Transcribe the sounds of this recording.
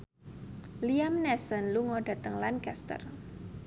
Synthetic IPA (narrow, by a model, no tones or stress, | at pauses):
liamnɛsənluŋɔɖa̤t̪əŋlankast̪ə̰r